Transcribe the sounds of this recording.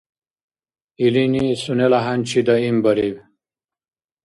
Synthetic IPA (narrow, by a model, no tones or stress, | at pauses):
ilinisunelaɦanʲt͡ɕʰid̪aimbɐɾiw